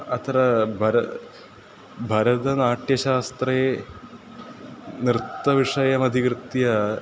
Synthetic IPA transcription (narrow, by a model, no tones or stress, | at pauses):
ɐt̪ɾɐbʱɐɾɐ | bʱɐɾɐd̪ɐnaːʈjɐɕaːst̪re | nrɨt̪ːɐʋiʂɐjɐmɐd̪ʱikrɨt̪jɐ